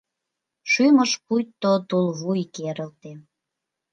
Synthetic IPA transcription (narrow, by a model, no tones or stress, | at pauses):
ʃyməʃpujt̪ot̪ulβujkeɾəlt̪e